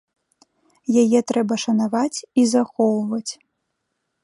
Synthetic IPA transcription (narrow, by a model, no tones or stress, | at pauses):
jajɛt̪ɾɛbɐʂɐnavat͡sʲizaxɔwvɐt͡sʲ